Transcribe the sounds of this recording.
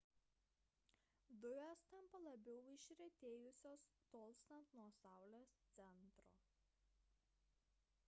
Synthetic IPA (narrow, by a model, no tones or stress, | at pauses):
d̪ʊʋʲɛst̪ɐmpɐlˠɐbʲɛʊɪʃʲɾʲɛt̪ʲeːjʊsʲoːst̪oːlˠʲsʲt̪ɐnt̪nuɔsɑˑʊlʲoːst̪sʲɛnt̪ɾoː